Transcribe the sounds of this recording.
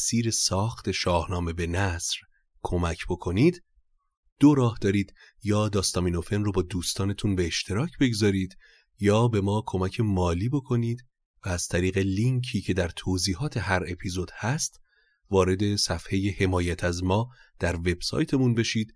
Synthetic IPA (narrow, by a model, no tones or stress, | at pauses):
siːɾe̞sɒːxt̪ʰe̞ʃɒːhnɒːme̞be̞næsɾ | kʰo̞mæcʰb̥o̞kʰo̞niːd̪ | d̪̥oɾɒːhd̪ɒːɾiːd̪̥ | jɒːd̪ɒːst̪ɒːmiːno̞fenrobɒːd̪uːst̪ɒːne̞t̪ʰunbeeʃt̪ʰe̞ɾɒːcʰbe̞ɡzɒːɾiːd̪ | jɒːbe̞mɒːkʰo̞mæcʰe̞mɒːliːbo̞kʰo̞niːd̪ | væːz̥t̪ʰæɾiːɣe̞liŋkʰiːcʰe̞d̪æɾt̪ʰoːziːhɒːt̪ʰe̞ɦæɾe̞pʰizo̞d̪̥hæst̪ | vɒːɾe̞d̪e̞sæfhe̞jehe̞mɒːjæt̪ʰæzmɒːd̪̥æɾve̞b̥sɒ̰ːjt̪ʰe̞munbe̞ʃiːd̪̥